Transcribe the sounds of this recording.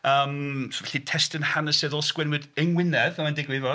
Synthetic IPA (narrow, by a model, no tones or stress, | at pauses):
əːmvɛɬitʰɛstənhanəsɪðɔlˠskwɛnwɨdənwɪnɛðɛmandɪɡwɨvɔ